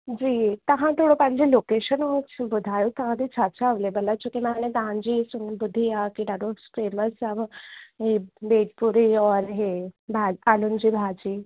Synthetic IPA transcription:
d͡ʑiːt̪əɦãt̪ʰoɽopãɲd͡ʑelokeɕənmũbud̪ʱajut̪əɦãd̪it͡ʃʰat͡ʃaʋlebəlat͡ʃʰukimañẽd̪ãnd͡ʑisunbud̪ʱːiakiɖ̪aɖoskɾiməɾsaʋɦebeːʈpuɾiɔɾɦebʱaalund͡ʑiːbʱad͡ʑiː

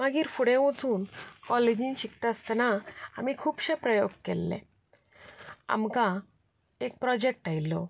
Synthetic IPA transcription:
maɡiːɾfuɽẽʋut͡suːnkɔled͡ʑĩnɕikt̪əst̪naa̰mikʰuːpɕepɾəjoɡkɛlːɛ̰̃ | a̰mkã | ek̚pɾɔd͡ʑek̚ʈajlːɔ

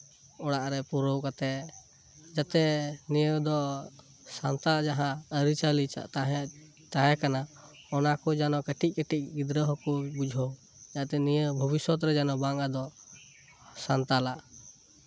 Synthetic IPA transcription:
ɔɽaʔɾɛpuɾəwkat̪ɛ | d͡ʒat̪ɛnijəd̪ɔ | sant̪ad͡ʒaɦãəɾit͡ʃalit͡ʃa̰ʔt̪aɦɛ̃ | t̪ajɛkana | ɔnakɔd͡ʒanɔkəʈic̚ˀkəʈic̚ɡid̪ɾəɦɔkɔbud͡ʒʱəw | jaʔt̪ɛnijəbʱəbiswɔt̪̬ɾɛd͡ʒanɔbaŋad̪ɔ | sant̪alaʔ

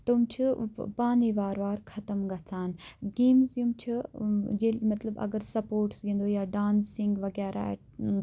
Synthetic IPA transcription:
t̪umt͡ʃʰipaːniʋaːɾʋaːɾkʰɐt̪əmɡɐt͡sʰaːnɡeːmzjumt͡ʃʰɐd͡ʒeːmɐt̪ləbɐ̰ɡəɾsɐpoːɾʈsɡĩːnd̪oːjaːɖaːnsɪ̃ŋɡʋɐɡɛːɾʔa̰

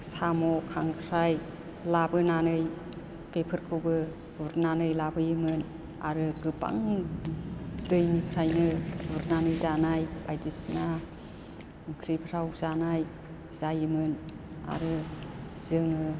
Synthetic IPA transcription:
samɔkʰaŋkʰɾaj | labɯnanɯj | pepʰɯɾkʰɯbɯ | uɾnanɯjlabɯjɯmɯn | a̰ɾɯɡɯba̰ŋ | dɯjnikʰɾajnɯuɾnanɯjzanajbajdisna | ɯŋkʰɾɯjbʰɾawzanaj | z̥ajɯmɯn | a̰ɾɯzɯŋɯ

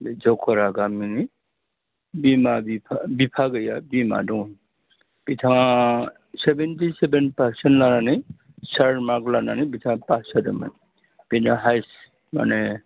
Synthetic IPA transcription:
d͡ʒɔkʰɔɾaɡamini | bimabipʰabipʰaɡəjabima̰dɔ | b̥itʰã | sebentisebenpaɾsenlanani | saɾɾmaklananibitʰãpasadəma̰n | b̥inaɦajs | ma̰ne

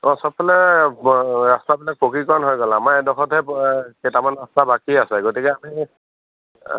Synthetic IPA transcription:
ɔ̃sɔp̚ʰːɔlɛ | ɹastabilak̚pokikɔɹɔnɦojɡɔlamajdɔxʰɔtɦɛkɛtamanɹastabakiasɛɡotikɛami

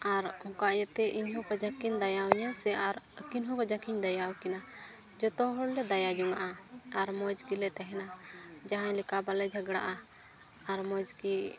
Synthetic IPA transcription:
aɾhɔ̃kaʔjət̪ɛʔiɲɦupad͡ʒakind̪ajawɔɲasɛʔaɾəkinɦũpad͡ʒakiɲd̪ajawkina | d͡ʒɔt̪ɔɦɔɽlɛd̪ajad͡ʒuŋaʔaaɾmɔd͡ʒkilɛt̪ɛɦɛnad͡ʒaɦãlikabalɛd͡ʒʱəɡɽa̰ʔaː | ɾmɔd͡ʒki

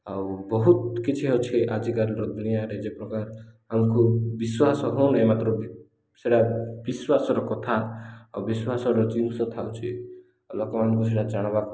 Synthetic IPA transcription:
awbɔɦut̪kit͡ʃʰiɦɔt͡ʃʰiʔad͡ʒikaɾɔɾɔd̪unijaɾed͡ʒepɾɔkaɾɔɦamkubiswasɔɦonemat̪ɾɔb | seɽabiswasɔɾɔkɔt̪ʰaːwbiswasɔɾɔt͡ʃinsɔt̪ʰawt͡ʃʰi | lɔkɔmanɔkus̬eʈad͡ʒaɽ̃ɔba

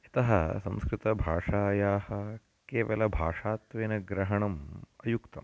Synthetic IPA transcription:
it̪ɐɦɐsɐ̰̃mskɾɪt̪ɐbʱaːʂaːjaːhɐ | keːʋɐlɐbʱaːʂaːt̪ʋeːnɐɡɾɐɦɐɳɐmɐjukt̪ɐm

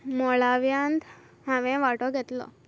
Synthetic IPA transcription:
mɔɭaʋjãnd̪ | ɦãʋɛ̃ʋaʈɔɡʱet̪lɔ̰

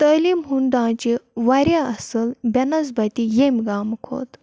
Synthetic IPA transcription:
t̪əlimɦuɳɖãt͡ɕiʋaɾjaɐsəlbʲɐnɐzbat̪ijemʲɡaːmkʰo̰t̪

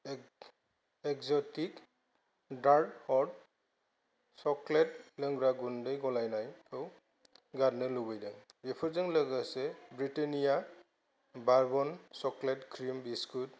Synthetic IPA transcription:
ɛkzɔtik | daɹdhɔd | sɔklɛt̚ləŋɡɹaɡundejɡɔlajnajɯw | ɡadnɯlubɯjdaŋbepʰɔɹzaŋləɡasɛbɹitenija | baɹbɔnsɔklɛtkʰɾimbiskut

